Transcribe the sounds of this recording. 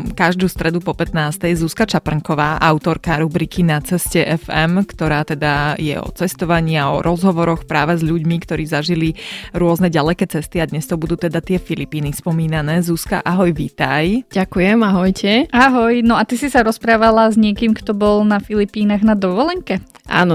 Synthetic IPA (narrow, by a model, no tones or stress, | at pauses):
kaʒd̪uːst̪ɾɛd̪upɔpɛt̪naːst̪ɛjzuskat͡ʃapr̩ŋkɔʋaːʔaʊt̪ɔɾkaɾubɾikʰinat͡sɛscɛʔɛfɛmkt̪ɔɾaːt̪ɛd̪ajɛ̰ɔ̰t͡sɛst̪ɔʋaɲɪaɔ̰ɾʔɔzɦɔʋɔɾɔxpɾaːʋɛzʎuɟmikt̪ɔɾiːzaʒiliɾʊɔznɛɟalɛkɛːt͡sɛst̪iad̪ɲɛst̪ɔbud̪uːt̪ɛd̪at̪ɪɛfilipiːnispɔmiːnanɛːzuska̰ʔaɦɔjʋiːt̪ajɟ̥akujɛmaɦɔjcʰɛaɦɔjnɔat̪isisaɾɔspɾaːʋalazɲɪɛkiːmkt̪ɔbɔlnafilipiːnaɣnad̪ɔʋɔlɛŋkɛ | ʔa̰ːnɔ